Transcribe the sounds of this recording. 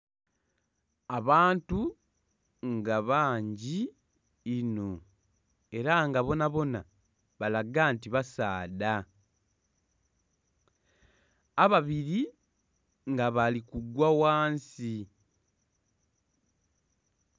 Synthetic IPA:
aβaːntu | ŋɡaβaːɲɟiː | no̞ | e̞ɾaŋɡaβo̞naβo̞na | βalaɡantiβasaːda | aβaβiɾi | ŋɡaβalikuɡwawaːnsi

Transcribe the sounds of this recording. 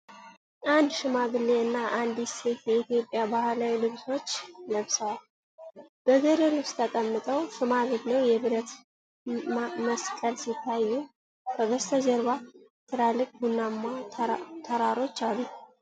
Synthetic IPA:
ʔand̪ʃɨmaɡɨlːeɨnːaʔand̪isɛit̪jɛit̪jo̞pʼjabahlawilɨβso̞t͡ʃːləβsəwal | b̥əɡəɾelɨβst̪ʰət̪ʼəmːɨt̪ʼəwʃɨmaɡɨdnewjɛβɨɾət̪ | məskʼəlsit̪ʰːajːu | kʰəbəst̪ʰəd͡ʒəɾβa | t̪ʰɨɾalːɨkʼbunːamːat̪ʰəɾaɾo̞t͡ʃːalːu

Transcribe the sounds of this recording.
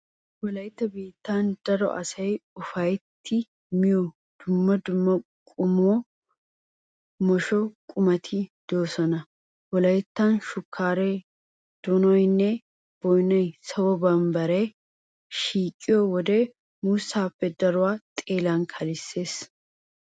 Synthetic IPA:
wɔlɐjɪt̪ːɐbiːt̪ːaːnd̪̥ɐɾɔ̰ʔɐ̰sɐjʊfɐjt̪ːɪ | mɪjɔ | d̪̥ʊmːɐd̪ʊmːɐkʼʊmɔ | mɔʃɔkʼʊmɐt̪ʰɪd̪̥oːsɔnɐ | wɔlɐjt̪ːanʃʊkʰːaːɾe | d̪̥ɔnɔjnːɛ | b̥ɔjnɐjsɐwɔbɐmbɐɾɐj | ʃiːkʼːɪjɔwɔd̪e | muːsːaːpːɛd̪ɐɾʊwaːt̪ʼeːlankʰɐlɪsːe̞ːs

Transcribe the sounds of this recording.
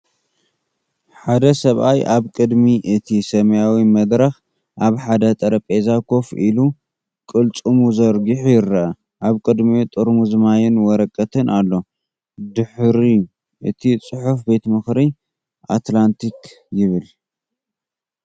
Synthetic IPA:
ħad̪ɐsɐβʔajʔaβkʼɨd̪miʔɨt̪ʰisɐmɐjawimɐd̪ɾɐx | ʔaβħad̪ɐt̪ʼɐɾɐpʼezakʰo̞fʔilu | kʼɨlt͡sʼumuzɐɾɡiħujɪrːɐʔɐ | ʔaβkʼɨd̪mit̪ʼɨɾmuzɨmajɪnwɔɾɐkʼːɐt̪ʰɨnʔalːo̞ | d̪ɨħɾi | ʔɨt̪ʰit͡sʼɨħufbe̞t̪mɨxɾi | ʔat̪lant̪ʰik | jɪβɨl

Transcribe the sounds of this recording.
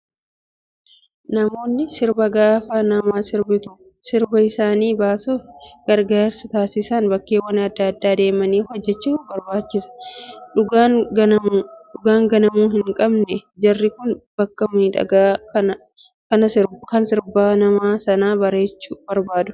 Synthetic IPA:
nɐmo̞ːnːɪsɪɾbɐɡaːfaːnɐmaːsɪɾbɪt̪ʊ | sɪɾbɐɪsaːniːbaːsoɡ̥ɐɾɡaːɾsɐt̪aːsɪsɐnbɐkːeːwɐnɐd̪ːɐɐd̪ːaːd̪e̞ːmɐniːhɔd͡ʒːɛt͡ʃːuːbɐɾbaːt͡ʃːɪsɐ̥ᶑʊɡa | ᶑʊɡaːŋɡɐnɐmuːɦɪŋkʼɐbnɛd͡ʒɐrːɪkʊnb̥ɐkːɐmiːᶑɐ̰ɡaːkɐnɐ | kɐnɐɪɾkɐnsɪɾbaːnɐmaːsɐnaːbɐɾe̞ːt͡ʃːuːb̥ɐɾbaːd̪ʊ̥

